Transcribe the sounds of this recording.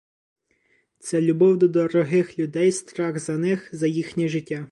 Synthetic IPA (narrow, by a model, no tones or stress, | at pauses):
t̪sɛlʲʊbɔwd̪ɔd̪ɔɾɔɦɪxlʲʊd̪ɛjst̪ɾɑɣzɐnɪxzɐjixnʲiʒɪtʲːa